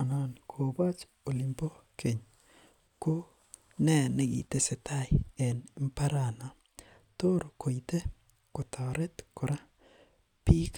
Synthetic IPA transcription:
a˨na˨nkʰo˨ba˦t͡ʃ | o˨li˨mpo˦ke˨ɲ | ko˦ | nɛ˦ne˦˨ɡḭ˨t̪e˦se˨t̪a˦jɛ˨n˦mpa˦ɾa˨na˨ | t̪o˦ɾo˨kʰo˨i˨t̪e˦ | ko˨t̪ʰa˨ɾɛ˦t̪kʊ˨ɾa˦ | pi˦k

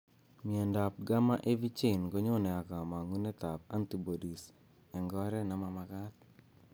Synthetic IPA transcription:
mi˨ɛ˨nda˨p̚ɡa˦ma˦ʔe˦vi˦t͡ʃe˨nɡo˦ɲo˦nɛ˨a˨ka˨ma˨ŋu˦nɛ˦t̪a˨pa˦nti˨bo˨di˨s | ɛ˨ŋɡɔ˦ɾɛ˦na˦ma˨ma˨ka˦t̪̚

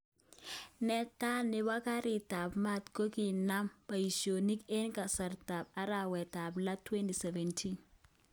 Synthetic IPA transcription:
nɛ˦ta˦nɪ˦wa˦ka˦ɾi˨ta˨bma˦˨t̪ko˦ki˨na˦mpa˨i˨so˨ni˦ke˦nka˨sa˨ɾta˨p̚a˦ɾa˨wɛ˨ta˨bla˦twɛ˦nti˨sɛ˨vɛ˨ntʰi˦n

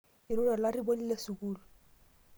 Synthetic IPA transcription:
i˨ɾu˦la˨la˦ri˦bo˦ni˦le˦su˨kuː˦lɔ˨

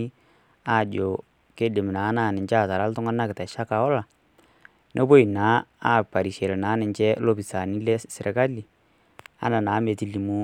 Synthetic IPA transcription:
i˦ | a˦˨d͡ʒo˨ | ke˦dɪ˨m˨na˨˦na˨nɪ˨t͡ʃa˦˨ta˨ɾa˦ltʊ˦ŋa˦na˦kɪ˨ta˨ʃa˦ka˨ɔ˦la˨ | nʔe˦bo˦i˨na˨˦a˦˨pa˨ɾi˨ʃe˨lnaː˨˦nɪ˨ɲt͡ʃɛ˦lo˦pi˨sa˨ni˦lɛ˦sɪ˨ɾɛ˨ka˦li˨ | a̰˦na˨naː˨˦me˨ti˦li˨mu˦

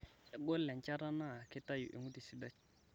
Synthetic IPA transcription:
ja˨ɡɔ˦lɛ˨n˨t͡ʃa˦ɾa˦na˦˨kɪ˦ta˦jṵ˨ʔḛ˨ŋu˦di˨si˦da˦

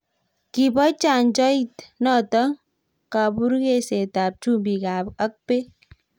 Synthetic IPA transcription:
ki˨bɔ˦t͡ʃa˨nd͡ʒɔ˦i˦t̪nɔ˦˨t̪ɔ˦ | ka˨bu˦ɾke˦se˨t̪a˨p̚t͡ʃu˦mbi˨ɡa˨pə˦k̚pe˦

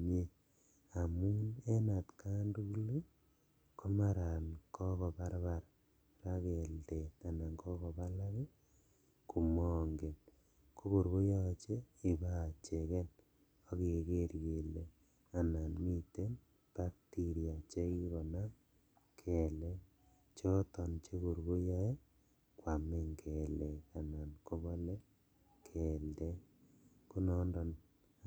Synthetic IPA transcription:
ɲe˦ | a˨mu˦ne˦na˨tka˦ndu˦kli˦ | kʰo˦ma˦ɾa˨nkʰɔ˦kɔ˨pa˦ɾba˨ɾ | ra˦ke˨lde˨ta˨na˨ŋkʰɔ˦kɔ˨pa˦la˦ki˦ | ku˨mɔ˦ŋɡe˨n | ko˦ko˨ɾko˦ja˦˨t͡ʃe˦i˨ba˦˨t͡ʃe˨kɛ˦n | o˦ke˨ke˦ɾke˨le˨ | a˨na˨nmi˦te˦n | b̥a˦k̚ti˦ɾi˨a˨t͡ʃe˦ki˦ɣɔ˨na˦ | kʰɛ˨le˦ | t͡ʃɔ˦tɔ˨nt͡ʃe˦ko˨ɾɡo˦ja˦e˦ | kwa˨me˦ŋkʰɛ˨le˨ka˨na˨nko˦βɔ˦le˦ | kʰɛ˨lde˦ | ku˦nɔ˦ndɔ˨n

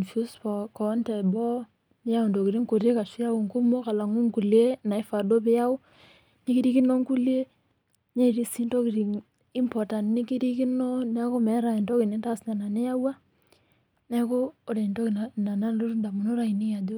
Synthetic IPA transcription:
nfu˦spɔ˨kɔ˨˦ntɛ˨bɔ˦ | nɪ˦ja˦ʊ˨ndo˨ki˨ɾi˦ŋko˨ɾe˦ka˨ʃɪ˦ja˦ʊ˨ŋku˦mo˦ka˨la˨ŋu˦ŋku˨lje˦na˨ɪ˦fa˨do˦pɪ˦a˦ʊ˦ | nɪ˦ki˦ɾi˦ki˦nɔ˦ŋku˦lje˦ | ɲe˦˨ɾi˦si˦ntɔ˦ki˨ɾi˨ŋ | i˦mpɔ˨ta˨nnɪ˦ki˦ɾi˦kɪ˦nɔ˦nɛ˦ko˦mɛ˨˦ɾa˨ndɔ˦ki˨ne˨nta˦sɲa˨na˨nɪ˦a˦wa˦ | nɛ˦ko˦o˦ɾe˨ndo˦kna˨na˨na˦lo˦ɾda˨mu˨no˦ɾa˨i˨nɪ˦ja˨do˦

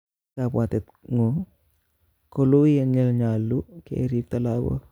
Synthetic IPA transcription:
a˨pwa˨tɛ˨t̪ | ŋo˨ | ko˦lu˦jɛ˦ɲɛ˨lɲa˨lːu˦kḛ˨˦ɾi˦ft̪ala˦bɔ̰˦

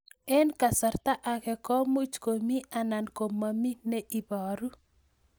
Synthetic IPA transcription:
ɛ˦nka˨sa˨rt̪a˦ʔakɛ˨kɔ˦mu˦t͡ʃkomi˦ananko˨mami˦nɛʔiba˨ɾu˦

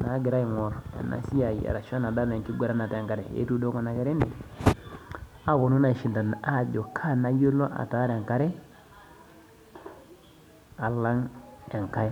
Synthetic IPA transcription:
na˨˦ɡɪ˨ɾa˦i˨ŋɔ˨ɾa̰˨na̰˨si˦a˨i˨a̰˨ɾa˨ʃo˦na˨da˦la˨ŋki˦ɡʷe˦ɾa˦na˨ta˨ka˨ɾɛ˨ḛ˦tu˦do˦kɔ˨na˨kɛ˨ɾe˦ni˨ | a˨˦ko˨nu˦na˨ʃi˨nda˨n˨a˦˨d͡ʒo˨kʰa˦na˦jo˦lo˦ʔa̰˨ta˨˦ɾe˨ŋka˦ɾɛ˦ | a˨la˦ŋe˨ŋka˦

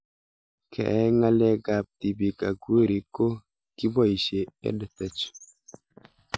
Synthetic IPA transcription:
kʰɛ̰˨ʔɛ˦ŋa˦lɛ˦ɡa˨p̚ti˨bi˨ka˨ɡu˦ɾi˨ko˦ | ki˦bɔ˦˨i˨ʃe˨ɛ̰˦dɛ˨t̪ɛ˨t͡ʃ

